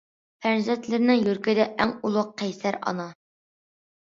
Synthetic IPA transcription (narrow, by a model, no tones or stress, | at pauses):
pʰæɾzɛt̪lɪɾnɪŋjøɾkʲid̪ɛʔæŋulˠʊqqʰːɛjsæɾɑ̰nɑ